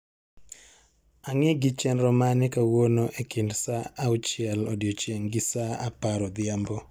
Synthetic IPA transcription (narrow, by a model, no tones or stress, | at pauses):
aŋɪɡɪt͡ʃɛnɾɔmanɪkawonoʔekɪndsaːut͡ʃjɛlɔdɪjot͡ʃjeŋɡɪsaapaɾɔd̪ɪambɔ